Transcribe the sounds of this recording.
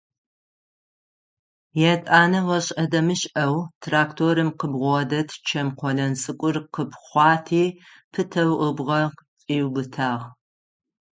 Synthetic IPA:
jɛtʼaːnɐwɔɕʼɐdɐmɨɕʼɐwtʰraːktʰoːɾɨmqəbʁʷɔdɐtʰt͡ʃʰɐmqʷɔɮɐnt͡sʼɨkʷʼʊrqəbχʷɑːtʰiː | pʰɨtʰɐwəbʁɐt͡sʼiːwbɨtʰaːʁ

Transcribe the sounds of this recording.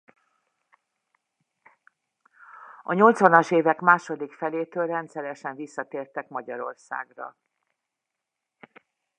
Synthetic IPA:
ɒɲo̞lt̪sʋɒnɒʃeːvɛkmaːʃo̞d̪ikfɛleːt̪øːlrɛnt̪sɛɾɛʃɛɱvisːɒt̪eːrt̪ɛkmɒɟɒɾo̞̰rsa̰ːɡrɒ̰

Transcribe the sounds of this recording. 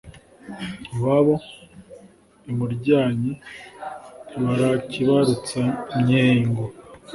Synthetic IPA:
βaβo̞ | imuɾɟaːɲi | βaɾaciβaɾut͡samɲeŋɡo

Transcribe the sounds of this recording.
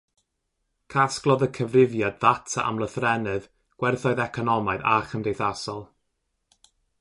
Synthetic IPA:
kʰasklˠɔðəkʰəvrɪvjadðatʰa̰ʔa̰mlˠəθrɛnɨð | ɡ̥wɛrθɔɨðɛkʰɔnɔmaɨðaχəmdejθasɔlˠ

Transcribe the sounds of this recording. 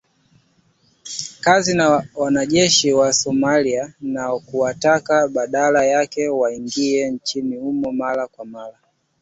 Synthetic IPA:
kazinawanaʄɛʃiwasɔmalianaɔkuwatakaɓaɗalajakɛwaiŋɡiɛnt͡ʃinihumɔmalakwamala

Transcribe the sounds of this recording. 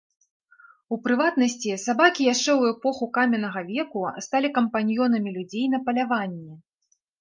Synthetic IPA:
upɾɨvat̪nɐsʲt͡sʲisabakʲijaʂt͡ʂɛwɛpɔxukamʲɛnɐɣɐvʲɛkust̪alʲikɐmpanʲjɔnɐmʲilʲud͡zʲejnɐpɐlʲavanʲːɛ

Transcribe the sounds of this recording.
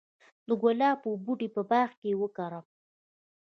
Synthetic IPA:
d̪əɡolɑpəbuʈipəbɑxkewəkaɾa

